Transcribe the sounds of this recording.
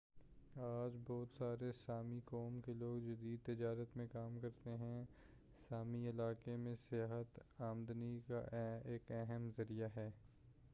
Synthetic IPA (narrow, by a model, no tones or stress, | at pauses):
aːd͡ʒbɔːt̪saːɾesaːmikɔːmkeloːɡd͡ʒɐd̪iːd̪̚t̪ɪd͡ʒaːɾət̪mẽkaːmkɐɾt̪eɦɛ̃ | saːmiɪlaːkemẽsɪjaːɦət̪aːmd̪nika̰eːkɛɦəmzɐɾijaɦɛː